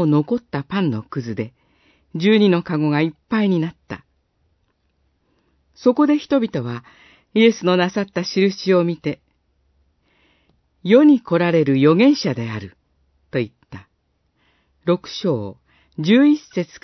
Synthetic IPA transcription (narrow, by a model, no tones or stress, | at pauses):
ono̞ko̞t̪ːapãnːo̞kɯ̟zɨd̪e̞ | d͡ʑɨːɲ̟ino̞kaɡo̞ɡaipːaiɲ̟inat̪ːa̰ | so̞ko̞d̪e̞çi̥t̪o̞bʲit̪o̞β̞a | ie̞sɨno̞nasat̪ːaɕiɾɯ̟ɕio̞mʲit̪e̞ | jo̞ɲ̟iko̞ɾaɾe̞ɾɯ̟jo̞ɡẽ̞ɰ̃ɕad̪e̞aɾɯ̟ | t̪o̞it̪ːa | ɾo̞kɯ̟̥ɕo̞ː | d͡ʑɨːise̞t͡sɨ̥k